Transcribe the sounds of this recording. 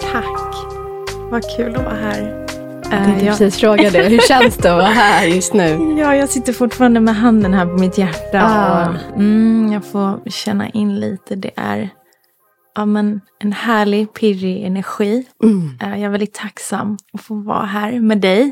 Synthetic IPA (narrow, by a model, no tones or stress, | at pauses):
t̪ʰakː | vakʰʉ̟ːlɔvɑ̰ːɦæːɾ | jɑsiːsfɾoːɡad̪ɛhɵɛnsd̪ɛvaɦæːɾjɵst̪nʉ̟ːjɑːjɑːɡsɪt̪ːəɾfʊʈfɑːɾand̪əmɛɦand̪ənɦæːɾpʰɔmɪt̪jæʈːaɔm̩jɑːɡfoːɕɛnːa̰ʔɪnːliːt̪ʰəd̪ɛ̰ʔæ̰ɾ | ʔɑːmɛnɛnhæːɭɪpʰɪɾɪɛnæɾɧiː | jɑaɛɾvɛlɪt̪ʰːaksamːɔfoːvɑ̰ːɦæːɾmɛd̪ɛj